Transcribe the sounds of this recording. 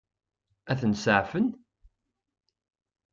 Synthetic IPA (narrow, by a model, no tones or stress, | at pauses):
æθənsəʕfən